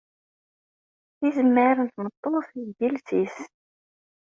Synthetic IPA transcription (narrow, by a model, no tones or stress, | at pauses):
izəmːəɾənt̪mət̪ˤːoθiɡilsis